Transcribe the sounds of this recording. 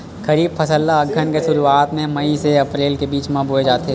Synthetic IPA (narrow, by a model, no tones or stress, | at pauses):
kɐɾiːbfʰɐsəlːaɐɡʱːənkeʃʊɾuaːt̪mẽmɐiseɐpɾeːlkebiːt͡ʃmãboːed͡ʒaːt̪e